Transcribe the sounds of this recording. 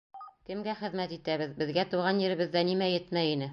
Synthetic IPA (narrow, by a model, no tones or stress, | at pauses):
kɘ̆mɡæχɘ̆ðmæt̪it̪æβɘðbɘ̆ðɡæt̪uʁɑnjɘ̆ɾɘ̆βɘ̆ðːænimæjɘt̪mæjinɘ